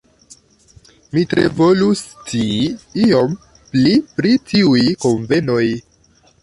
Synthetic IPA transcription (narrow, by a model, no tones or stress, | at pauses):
mitɾḛvo̞lustiio̞m | plipɾitiujko̞ɱve̞no̞j